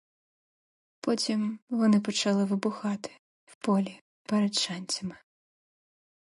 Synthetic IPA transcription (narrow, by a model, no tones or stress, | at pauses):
pɔt͡sʲimʋɔnɪp̬ɔt͡ʃɐlˠɪʋɪbʊxɑt̪ɪ̥ | wpɔlʲi | pɛɾɛd̪t͡ʃanʲt͡sʲɐmɪ